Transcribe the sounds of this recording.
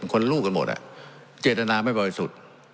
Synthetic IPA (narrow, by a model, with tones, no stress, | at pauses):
nkʰo˧nlɾuː˥˩ka˧nmo̰˨˩t̪̚ʔa̰˨˩ʔ | t͡ɕeː˨˩t̪̚ta˧naː˧ma˥˩jbɔː˧ɾi˦˧su˨˩t̪̚